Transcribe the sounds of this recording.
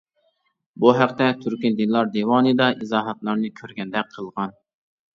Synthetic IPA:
buɦæqt̪ɛt̪ʰyɾkʲind̪ɨnlˠɑɾd̪ewɑːnɨd̪ɑʔizɑːɦɑt̪lˠɑɾnɨkʲʰøɾɡʲɛnd̪ɛk̚ʲqʰəlˠʁɑn

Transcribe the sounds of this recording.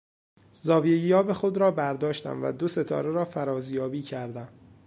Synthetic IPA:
zɒːvijejijɒːbexo̞d̪ɾɒːbæɾd̪ɒːʃt̪æ̰mvæ̰d̪o̞se̞t̪ʰɒ̰ːɾe̞ɾɒːfæɾɒːzjɒːbiːcʰæɾd̪æm

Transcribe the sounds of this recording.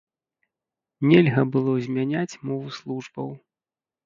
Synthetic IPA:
nʲɛlʲɣɐbɨlˠɔzʲmʲanʲat͡sʲmɔvuslˠuʐbɐw

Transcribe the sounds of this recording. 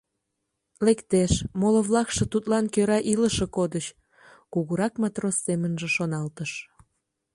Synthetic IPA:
lekt̪eʃmolŏβlɑkʃɤ̆t̪ut̪lɑnkøɾɑʔiləʃĕkod̪ət͡ɕ | kuɣuɾɑkmɑt̪rosːemənʒĕʃonɑlt̪əʃ

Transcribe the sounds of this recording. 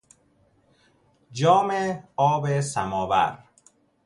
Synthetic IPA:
d͡ʒɒːmeɒːbesamɒːva̰ɾ

